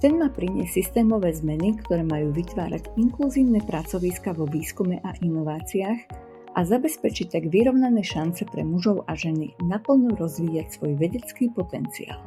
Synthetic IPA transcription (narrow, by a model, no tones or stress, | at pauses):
t̪ɛnmaːpɾiɲɛ̰sist̪ɛːmɔʋɛːzmɛnikt̪ɔɾɛːmajuːʋit̪ʋa̰ːɾa̰ɟiŋkluziːʊnɛpɾat͡sɔʋiskaʋɔʋiːskumɛʔaʔinɔʋaːt͡siax | ʔazabɛspɛt͡ʃict̪aɡʋiɾɔʊnanɛːʃant͡sɛpɾɛ̰muʒɔʊʔaʒɛninapl̩nɔɾɔzʋiːacsʋɔjʋɛɟɛt͡skiːpɔt̪ɛnt͡sḭa̰ːl